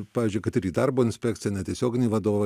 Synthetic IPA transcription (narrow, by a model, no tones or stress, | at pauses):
pɑːzʲd͡ʒʲʊɪkɐt̪ɪɾʲiːd̪ɐrboːɪnʲsʲpʲæːkt̪ʲɪjɛnʲɛt̪ʲiɛsʲoːɡʲɪnʲɛːʋɐd̪oːʋɐ